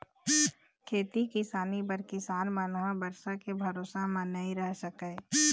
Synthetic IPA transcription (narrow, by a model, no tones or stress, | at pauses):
kʰeːt̪ikɪsaːnipɐɾkɪsaːnmaːnoɦãbəɾsakebʱɐɾoːsamãnɐɦĩɾɛɦsəkəe